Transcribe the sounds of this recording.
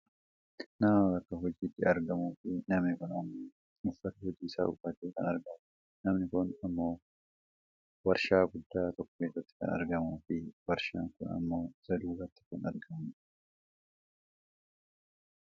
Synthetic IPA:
nɐmɐɐkːɐɦɔd͡ʒiːt̪ːɪɐɾɡɐmuːfɪnɐmnɪkʊnɐmːoː | ɪfːɐt̪ɐhɔd͡ʒ̪iːsa̰ːʊfɐt̪eːkɐnɐɾɡɐmʊ | nɐmnɪkʊnɐmːo̞ː | wɐɾʃaːɡʊd̪ːaːt̪ɔkːɔ̥keːsɐt̪ːɪ̥kɐ̰nɐ̰ɾɡɐmuːfɪwɐɾʃaːŋkʊnɐ̰mːo̞ːsɐd̪uːrɐt̪ːɪ̥kʊnɐɾɡɐm

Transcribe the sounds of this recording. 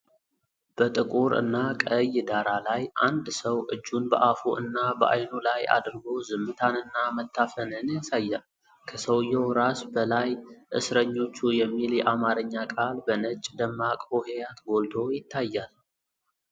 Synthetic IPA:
b̥ət̪ʼɨkʼuɾɨ̰nːakʼəjːd̪aɾalajʔand̪səwʔɨd͡ʒːunbəʔafuʔɨnːabəʔajnulaja̰d̪ɾɡo̞zɨmːɨt̪ʰanɨnːamət̪ʰːafənɨnjasajːal | kʰəsəwjːɛwɾasbəlajʔɨ̰sɾəɲːo̞t͡ʃːujɛmːiljɛʔamaɾɨɲːakʼalbənət͡ʃʼːd̪əmːakʼohejat̪ɡo̞ld̪ʰo̞jɪt̪ʰːajːal

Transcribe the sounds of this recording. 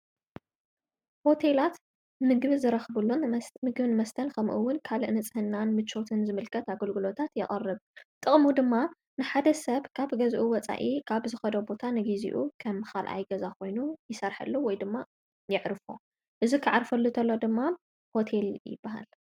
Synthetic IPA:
ho̞t̪ʰe̞lat̪ | mɨɡβzɨɾɐxbɨlːomɨɡβnɨmɐst̪ʰɐnkʰɐmʔṵwːʊnkʰaliʔnɨt͡sʼɨhɨnːanmɨt͡ʃʰːo̞t̪ʰɨnzɨmɨlkʰɐt̪aɡɐlɡɨlo̞t̪ʰat̪jɪχʼɐrːɨβt̪ʼɨχʼmud̪ɨmːa | nɨħad̪ɐsɐβkʰaβɡɐzʔuwɔt͡sʼa̰ʔikʰaβzɨxɐd̪obo̞t̪ʰanɨɡizḭʔukʰɐmxalʔa̰jɡɐzakʰo̞jnujɪsɐɾħɐ̰lːowɔjd̪ɨmːa | jɪʕɾfo̰ | ʔɨzukʰɨʕaɾfɐlːɨt̪ʰɐlːo̞d̪ɨmːa | ho̞t̪ʰe̞ljɪ̰bːaha̰l

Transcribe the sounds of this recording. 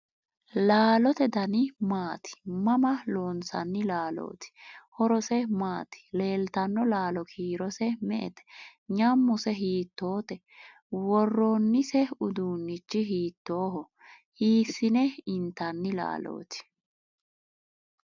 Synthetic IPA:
laːlɔt̪ɛd̪ɐnɪmaːt̪ɪ̥mɐmɐloːnsɐ̰nːɪlaːlo̰ːt̪ɪ̥hɔɾɔsɛmaːt̪ɪ̥le̞ːlt̪ɐnːɔlaːlɔkʰiːɾɔsɛmɛʔɛ̰t̪ɛ̥ɲɐmːʊsɛɦiːt̪ːo̞ːt̪ɛ | wɔrːoːnːɪsɛʊd̪uːnːɪt͡ʃːɪɦiːt̪ːo̞ːɦɔ | hiːsːɪnɛɪnt̪ːɐnːɪla̰ːlo̰ːt̪ɪ̥

